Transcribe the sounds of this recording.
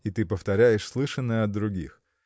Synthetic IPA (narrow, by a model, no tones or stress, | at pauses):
ɪt̪ɨpəft̪ɐɾʲæjɪʂslˠɨʂənːəjəɐd̪d̪ɾʊɡʲḭx